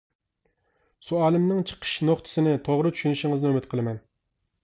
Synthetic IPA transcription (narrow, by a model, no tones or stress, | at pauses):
suæːlˠɪmnɪŋt͡ʃʰə̥qʰə̥ʃnoχt̪ʰɨ̥sɨnɪt̪ʰoʁɾɨt͡ʃ̪ʰy̥ʃynɪʃɪŋɨznɪømɪt̪̚qʰəlˠɨmɛn